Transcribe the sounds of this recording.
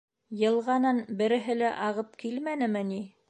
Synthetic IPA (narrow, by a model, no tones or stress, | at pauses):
jɤ̆lˠʁɑnɑnbɘ̆ɾɘ̆ɦɘ̆læʔɑʁɤp̚kilmænɘ̆mɘni